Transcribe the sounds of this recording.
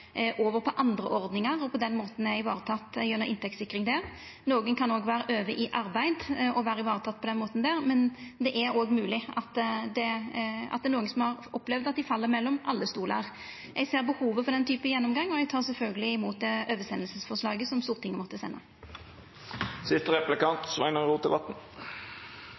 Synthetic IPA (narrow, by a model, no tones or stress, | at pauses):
ʔoːʋəɾpʰɔʔɑnd̪ɾəʔɔɾd̪nɪŋɑʁɔpʰɔd̪ɛnmoːt̪n̩æɪʋɑːɾət̪ʰɑt̪ːjʉnːəʁʔɪ̰nt̪ʰɛkt̪sɪkːɾɪŋd̪æʁ | noːɡənkʰɑnoːɡʋæːɾəʔøːʋəʔɪʔɑɾbæɪd̪ɔʋæːɾəɪʋɑːʁət̪ʰɑt̪ːpʰɔd̪ɛnmoːt̪n̩d̪æːʁmɛnd̪ɛʔæɾoːɡmʉːlɪʔɑt̪d̪ɛɑ̰t̪d̪ɛːɾnuːɡənsɔmhɑɾɔplɛʋd̪ɑt̪̚d̪ɪfɑlːəʁmɛlːɔmʔɑlːəst̪uːlə̰ʁ | ɛɡseːʁbəhuːʋəfɔɾd̪ɛnt̪ʰyːpəjɛnːɔmɡɑŋːɔɛɡ̚t̪ʰɑːʁsɛlfœlɡəlɪɪmuːt̪̚d̪ɛøːʋəsɛnəlsəsfɔʁʂlɑːɡəsɔmst̪uːʁt̪ʰɪŋːəmɔt̪ːəsɛ̰nːɑ̰ | sɪst̪əʁɛplɪkɑnt̪sʋæ̰ɪnəɾuːt̪ʰɪlʋɑt̪n̩